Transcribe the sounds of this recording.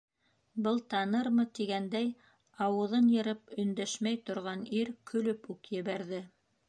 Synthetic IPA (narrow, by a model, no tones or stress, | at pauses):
bɤlˠt̪ɑnɤɾmɤt̪iɡænd̪æj | ɑwɤ̆ðɤnjɤ̆ɾɤpɵ̆nd̪æʃmæjt̪ŏɾʁɑniɾkʰɵ̆lɵpʉkjɘ̆βæɾðɘ